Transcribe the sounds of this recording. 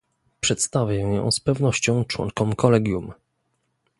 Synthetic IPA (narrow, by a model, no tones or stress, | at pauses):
pʂɛt̪st̪avʲjãjɔ̰̃w̃spɛvnɔɕt͡ɕɔ̃w̃t͡ʂwɔ̰ŋkɔmkɔlɛɡʲjum